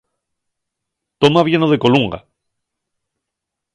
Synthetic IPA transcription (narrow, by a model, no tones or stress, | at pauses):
t̪omaβje̞noð̞e̞ko̞luŋɡa̰